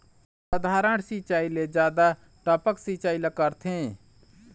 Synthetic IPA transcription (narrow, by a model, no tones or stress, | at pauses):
səd̪ʱaːɾəɽsit͡ʃaːiled͡ʒjaːd̪a | ʈaːpəksiːt͡ʃaːilekəɾt̪ʰẽː